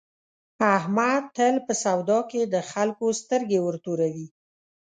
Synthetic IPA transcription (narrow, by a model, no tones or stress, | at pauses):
ahmad̪̚t̪ːəlpəsawd̪ɑked̪əxalkost̪əɾɡewəɾt̪oɾawi